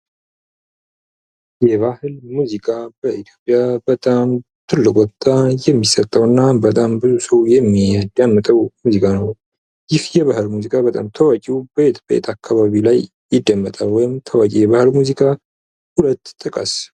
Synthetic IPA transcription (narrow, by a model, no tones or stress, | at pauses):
jɛβahɨlmuzikʼabəʔit̪ʰjo̞pʼjabət̪ʼam | t̪ʰɨlːɨkʼɔt̪ʰʼːajɛmːisət̪ʼːəwɨnːabət̪ʼambɨzusəwjɛmːid̪amːət̪ʼəwmuzikʼanəw | jɪhjɛβahɨlmuzikʼaβət̪ʼa̰mt̪ʰəwakʼiwbəbet̪ʰbəḛt̪ʰʼakʰːaβaβilaj | jɪd̪ːəmːət̪ʼalwɔjɪmt̪ʰəwakʼijɛβahɨlmuzikʼa | hulət̪ːt̪ʼːɨkʼə̰s